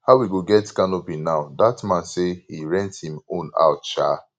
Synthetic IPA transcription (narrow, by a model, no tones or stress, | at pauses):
haʊwiɡoɡɛtkanobĩnaʊdatmãnsehiɹɛ̃nthĩmõna̰ʊtt͡ʃa